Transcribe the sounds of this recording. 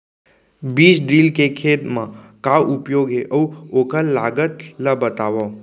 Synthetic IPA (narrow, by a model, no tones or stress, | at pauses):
biːt͡ʃɖilkekʰet̪mãkawupjoɡɦeʔəwokəlːaɡət̪ləbət̪aʋo